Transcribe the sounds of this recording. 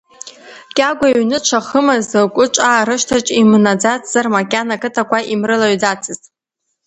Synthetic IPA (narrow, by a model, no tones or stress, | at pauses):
kʲʼaɡʷaɥnɨt͡ʃʷʰaχəmazɨkʷʼʊt͡ʃʷʼaɾɨʃtʰat͡ʃʼimnad͡zat͡sʰʼz̥armakʲʼanakʼɨtʰakʷaʔimrɨlaɥd͡zat͡sʰɨzʼ